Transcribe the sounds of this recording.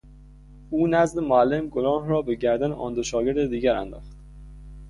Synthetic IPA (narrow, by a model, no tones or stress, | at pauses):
uːnæzd̪emoælːemɡolɒːhɾɒːbe̞ɟæɾd̪æneʔɒ̰ːnd̪oʃɒːɟe̞ɾd̪ed̪iːɟæɾæ̰nd̪ɒ̰ːxt̪